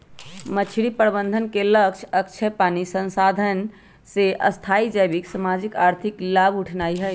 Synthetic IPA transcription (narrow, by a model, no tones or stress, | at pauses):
mət͡ʃʰiɾipəɾbənd̪ʱənkeləkt͡ʃʰək̚t͡ʃʰəpanisə̃nsad̪ʱən | seə̰st̪ʰaid͡ʒəjbiksəmad͡ʒikaɾt̪ʰiklabuʈʰnaiɦəj